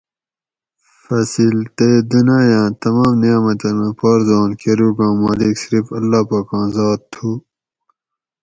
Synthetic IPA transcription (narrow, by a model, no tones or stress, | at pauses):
fɐsilt̪ed̪unaːjãːt̪ɐmãːmnijaːmɐt̪ɐmẽpoːɾzɑːnkʰeɾuːɡãːmɐliksɾifɐlːaːpaːkɑ̃ːnzɑːt̪̚t̪ʰu